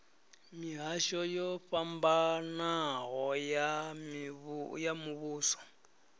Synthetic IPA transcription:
miɦaʃɔjɔɸambanaɣɔjamβjamuβuːsɔ̥

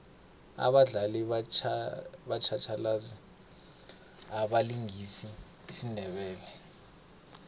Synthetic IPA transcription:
a̰ɓaɮaliat͡ʃ | ɓat͡ʃʰat͡ʃʰalaːzi | aɓaliŋisi | sinʱɛɓɛːlɛ

